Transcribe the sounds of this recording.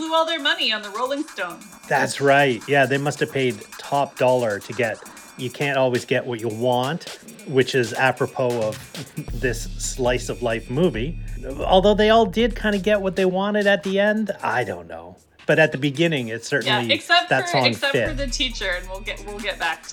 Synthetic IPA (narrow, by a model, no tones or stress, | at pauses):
luɔlˠðə˞mʌniɨ̃nðəɹoʊlˠɪ̃ŋstõʊ̃n | ðætsɹaɪt̚jæðeɪmʌstɨv̥pʰeɪd̚tʰɑp̚d̥ɔlˠə˞ɾɨɡɛt̚ | jɨkʰæ̃ntɔlˠwizɡɛʔwʌt͡ʃəwɑ̃nt | wɨt͡ʃɪzæpɹɨpʰoʊʌvðɪslaɪsʌvlaɪfmuviɔ̰lˠðoʊðeɪɔlˠdɪd̚kʰãɪ̃ndɨɡɛt̚wʌt̪̚ðeɪwɑ̃nɨɾɨt̪̚ðiɛ̃nda̰ɪdõ̰ʊ̃nːo̰ʊ | b̥ʌɾɨt̪̚ðɨbɨɡɪ̃nɪ̃ŋɪtsɜ˞ʔn̩lliɨksɛðætsn̩sɛpɨðɨtʰit͡ʃə˞ɨ̃nwilˠɡɛʔwilˠɡɛt̚b̥æk̚